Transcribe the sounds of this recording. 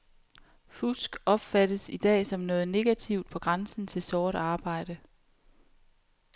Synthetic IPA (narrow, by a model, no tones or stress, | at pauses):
fusɡ̥ɒ̽b̥fæɾ̥əsid̥ɛ̰ːsɒ̽mnɔ̽ːð̞̩ˠne̝ɡ̥æt͡sʰiʊ̰d̥̚pʰɒ̽ɡ̥ʁansn̩t͡sʰe̝lsɒːɾ̥ɑ̈ːb̥ɑ̈ɪ̰ɾ̥ə